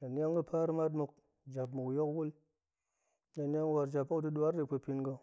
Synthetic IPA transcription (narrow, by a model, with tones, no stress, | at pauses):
na˨nja˦ŋɡɨ˦pʰa˦ɾɨ˦ma˦t̬mu˧k̚ | d͡ʒa˨pmu˨kjo˦kwu˦l | na˨nja˦ŋ˦wa˧ɾd͡ʒa˨pːo˦kdu˦du˨a˦ɾde˨pʷe˧pi˧nɡə˧